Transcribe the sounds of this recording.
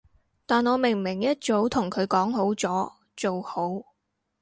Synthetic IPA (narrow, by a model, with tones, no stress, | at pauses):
t̪aː˨nɔː˨˧mɪ˨˩ŋmɪ˨˩ŋjɐ˥t̚t͡so˨˧˥wt̪ʰʊ˨˩ŋkʰɵ˨˧ɥkɔː˨˥ŋɦo˨˥wt͡sɔː˨˥ | t͡so˨who˨˥w